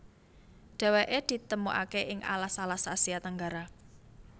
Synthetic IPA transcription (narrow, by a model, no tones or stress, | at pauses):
ɖ̪̥ɛ̤weʔed̪̥i̤t̪əmuʔa̰keʔɪŋʔa̰lasalasasiat̪aŋɡaɾa